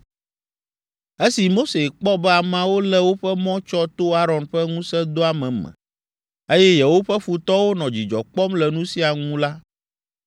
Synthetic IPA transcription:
e˦si˨mo˦se˨k͡pɔ˦bɛ˦a˨mã˨wo˦lɛ˦wo˦ɸɛ˦mɔ̃˦t͡ʃɔ˦t̪o˦a˦ɾɔ̃˨nɸɛ˦ŋũ˦sɛ˦d̪o˦a˨mɛ̃˨mɛ̰̃˨ | e˦jɛ˦jɛ˨wo˦ɸɛ˦fu˨t̪ɔ˦wo˦nɔ̃˨d͡ʑi˨d͡ʒɔ̰˨k͡pɔ˦mlɛ˨nũ˦si˦a˨ŋũ˦la˦

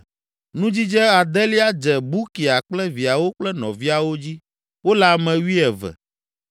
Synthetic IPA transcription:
nũ˦d͡ʑi˦d͡ʒɛ˦a˨d̪ɛ˦li˦a˦d͡ʒɛ˨bu˦ki˨a˨k͡plɛ˦vi˨a˨wo˦k͡plɛ˦nɔ̰̃˨vi˦a˨wo˦d͡ʑi˦ | wo˦la˨mɛ̃˨wi˦ɛ˨vɛ̰˨

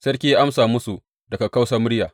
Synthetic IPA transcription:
sɐ˦rkʲi˦ʔa˦msaː˨mʊ˦su˨ | dɐ˨ka˨ka˦wsɐ˦mʊ˦ɽjaː˨

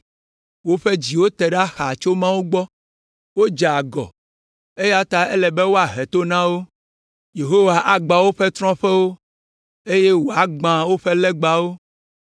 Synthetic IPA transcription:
wo˦ɸe˦d͡ʑi˨wo˦t̪ɛ˨ɖa˦xa˨t͡ʃo˦mã˦wo˦ɡ͡bɔ˦ | wo˦d͡ʒa˨ɡɔ̰˨ | e˦ja˦t̪a˦ɛ˦lɛ˨be˦wo˦a˨ɦɛ˨t̪o˦nã˦wo˦ | je˨ɦo˦wa˨ʔa˨ɡ͡ba˨wo˦ɸɛ˦t̪ɾɔ̃˦ɸɛ˦wo˦ | e˦je˦wo˨a˨ɡ͡bã˨wo˦ɸɛ˦lɛ˦ɡ͡ba˦wo˦

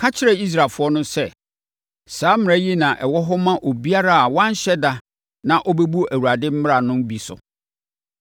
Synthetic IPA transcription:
kʰa˦t͡ɕʰɪ˦ɾɛ˦˨i˦s̬ɾaː˨fʊ˦ɔ˦nʊ̃˦sɛ˦˨ | saː˨˦mɪ̃˨æ̃˦ji˦nã˨ʔɛ˨wɔ˦ɦɔ˦mã˦ʔo˨bi˦a˦ɾa˦a˨wã˦n˦ɕɛ˦da˦ | nã˨ʔɔ˦bɛ˦bu˦æ˨wu˨a˨dɪ˦m̩˦m˦ɾa˨nʊ̃˦m˦bi˨sʊ̰˨

